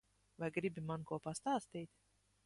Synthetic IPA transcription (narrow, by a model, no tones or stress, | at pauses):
vajɡɾibʲimankuɔpast̪aːst̪iːt̪ʲ